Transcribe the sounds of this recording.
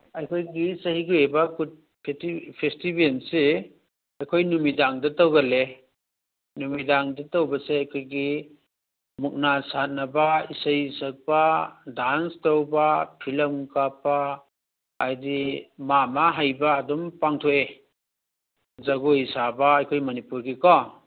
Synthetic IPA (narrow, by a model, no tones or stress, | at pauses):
ɐjkʰojɡisɐhiɡuebɐkut̚ | pʰtipʰestibense | ɐjkʰojnumidaŋdɐtɐwɡɐle | numidaŋdɐtɐwbɐseajkʰojɡi | muk̚nasanɐbaisəjsɐk̚padanstɐwbapʰilɐmkapa | ajdimamaɦajbaːdɔmpaŋtʰoʔe | zɐɡoisabaajkʰojmɐnipuɾɡikɔ